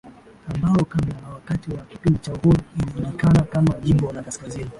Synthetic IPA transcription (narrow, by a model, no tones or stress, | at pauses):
ambaɔkablanawakatiwaki̥pindit͡ʃahɔiimizunikanakamaʄimbɔlakaskazini